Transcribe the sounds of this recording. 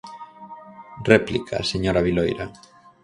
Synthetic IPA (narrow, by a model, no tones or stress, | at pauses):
replikʰa̰seɲoɾaβilojɾa̰